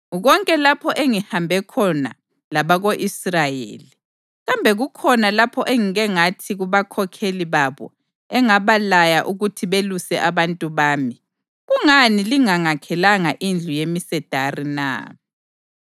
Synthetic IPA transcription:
uɣɔŋkʼɛlapʰɔʔeŋihambʱɛkʰɔna̰ | laβaɣoʔisrajḛːli | ɣambʱɛɣukʰɔnalapʰɔʔeŋiɣɛŋatʰiɣuβakʰɔkʰeliβaβɔ̰ | ɛŋaβalajaʔuɣutʰiβelusɛʔaβantʼuβaːmi | ɣuŋaniliŋaŋakʰɛlaŋaʔind͡ɮʱujemisɛd̥ʱarina̰ː

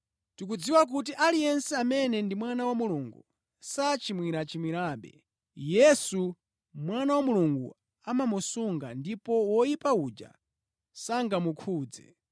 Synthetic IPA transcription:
tik̬ud͡ziwak̬ut̬iʔalijɛnsɛamɛnɛndimwanawamuluŋɡu | sat͡ʃimwiɾat͡ʃimwiɾaːɓɛ̰ | jɛsu | mwanawamuluŋɡṵ | amamusuŋɡa̰ndipɔwɔjipaud͡ʒa̰ | saŋɡamukʰuːd͡zɛ̰

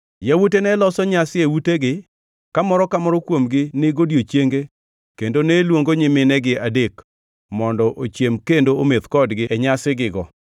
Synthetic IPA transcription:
jawotenɛlɔsɔɲasɪewuteɡɪ | kamɔɾɔkamɔɾɔkwomɡɪnɪɡodjot͡ʃjeŋɡe | kendonelwoŋɡoɲɪmɪnɛɡɪadek | mɔndɔʔot͡ʃjemkendoomet̪kɔdɡɪɛɲasɪɡɪɡɔ

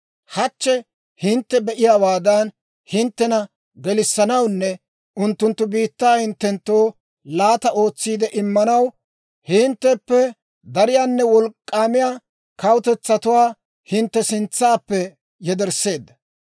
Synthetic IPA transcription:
hɐt͡ʃːɛ | hɪnt̪ːɛbɛʔɪjaːwaːd̪ɐn | hɪnt̪ːɛnɐ | ɡɛlɪsːɐnɐwnːɛ | ʊnt̪ːʊnt̪ːʊbiːt̪ːaːhɪnt̪ːɛnt̪ːo̞ː | laːt̪ɐo̞ːt͡sːiːd̪ɛʔɪmːɐnɐw | hɪnt̪ːɛpːɛ | d̪ɐɾɪjaːnːɛwɔlkʼːaːmɪjaː | kɐwʊt̪ɛt͡sːɐt̪ʊwaː | hɪnt̪ːɛsɪnt͡sːaːpːɛ | jɛd̪ɛɾsːe̞ːd̪ːɐ

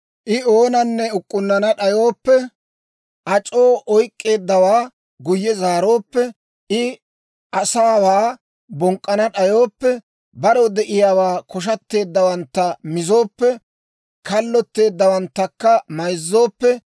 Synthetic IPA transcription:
ʔɪoːnɐnːɛʊkʼːʊnːɐnɐɗɐjo̞ːpːɛ | ʔɐt͡ʃʼo̞ːʔɔjkʼːe̞ːd̪ːɐwaː | ɡʊjːɛzaːɾo̞ːpːɛ | ʔɪ | ʔɐsaːwaː | bɔŋkʼːɐnɐɗɐjo̞ːpːɛ | bɐɾɔd̪ɛʔɪjaːwaːkɔʃ̬ɐt̪ːe̞ːd̪ːɐwɐnt̪ːɐmɪzo̞ːpːɛ | kɐlːɔt̪ːe̞ːd̪ːɐwɐnt̪ːɐkːɐmɐjzːo̞ːpːɛ

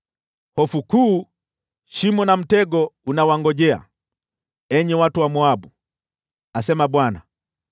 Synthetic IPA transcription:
hɔfukuː | ʃimɔnam̩tɛɡɔunawaŋɡɔʄɛa̰ | ɛɲɛwatuwamuabu | asɛmaɓwana̰

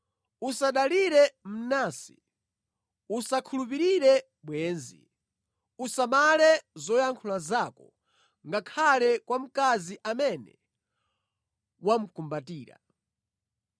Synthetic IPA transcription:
usaɗaliɾɛm̩nasi̥̰ | usakʰulupiɾiɾɛ | ɓwɛːnzḭ | usamalɛzɔjaŋkʰulazakɔ | ŋɡakʰalɛkwam̩kaziʔamɛnɛ̰ | wam̩kumbatiːɾa̰

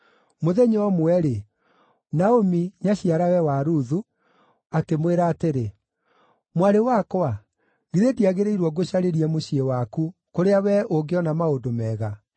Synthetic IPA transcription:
moðɛɲɔɔmwɛɾe | naomiɲaɕiaɾawɛwaɾuðu | akemweɾaːteɾe | mwaɾewakwa | ɣiɾediaɣeɾeiɾwɔɡoɕaɾeɾiɛmoɕiewakukoɾeawɛʔoɡeɔnamaodomɛɣa

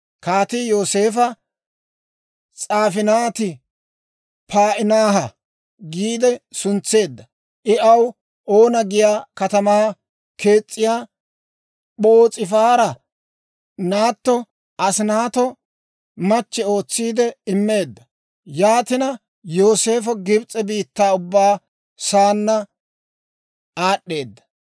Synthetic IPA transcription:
kaːt̪ɪjo̞ːse̞ːfɐ | t͡sʼaːfɪnaːt̪ɪ | paːʔɪnaːɦɐ | ɡiːd̪ɛsʊnt͡sːe̞ːd̪ːɐ | ʔɪɐw | ʔo̞ːnɐɡɪjaːkɐt̪ɐmaː | ke̞ːt͡sʼːɪjaː | ɓoːt͡sʼɪfaːɾɐ | naːt̪ːɔ | ɐsnaːt̪ɔ | mɐt͡ʃːɛo̞ːt͡sːiːd̪ɛɪmːe̞ːd̪ːɐ | jaːt̪ɪnɐ | joːse̞ːfɔɡɪbt͡sʼːɛbiːt̪ːaːʊbːaː | saːnːɐ | aːɗːe̞ːd̪ːɐ̥

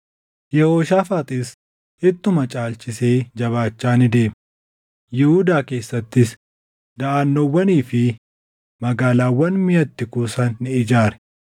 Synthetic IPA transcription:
jɛhoːʃaːfaːt̪ʼis | ʔɪt̪ːʊmɐt͡ʃʼaːlt͡ʃʼɪse̞ːd͡ʒɐβaːt͡ʃːaːnɪd̪e̞ːm | jɪhuːd̪aːke̞ːsːɐt̪ːɪs | d̪ɐʔaːnːoːwːɐniːfɪ | mɐɡaːlaːwɐnmɪjɐt̪ːɪkuːsɐnːɪɪd͡ʒaːɾɛ̥

